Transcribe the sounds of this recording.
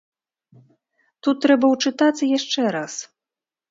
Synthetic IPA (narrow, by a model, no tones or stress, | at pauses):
t̪ut̪ːɾɛbɐwt͡ʂɨt̪at̪sɨjaʂt͡ʂɛɾas